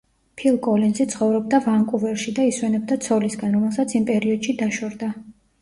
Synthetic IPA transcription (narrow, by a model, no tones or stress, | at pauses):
pʰilˠkʼɔlinzit̪sʰχɔvɾɔb̚d̪avaŋkʼuvɛɾʃid̪aiswɛnɛb̚d̪at̪sʰɔlisɡanɾɔmɛlˠsat̪sʰimpʼɛɾiɔd̪ʃid̪aʃɔɾd̪a